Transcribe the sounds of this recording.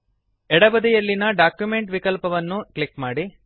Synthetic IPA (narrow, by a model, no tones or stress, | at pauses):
ɛɽɐbɐd̪ijɐlːinɐɖaːkjumeɳʈʋikɐlpɐʋɐnːuklikmaːɽi